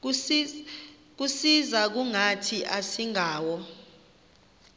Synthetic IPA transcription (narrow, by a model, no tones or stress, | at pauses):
k̬usizak̬uŋatʰiʔasiŋʱaːwɔ